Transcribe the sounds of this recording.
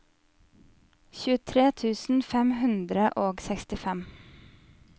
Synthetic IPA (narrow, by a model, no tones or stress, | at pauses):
çʉːət̪ʰɾeːt̪ʰʉːsn̩fɛmhʉnd̪ɾəʔoːɡsɛkst̪ɪfɛm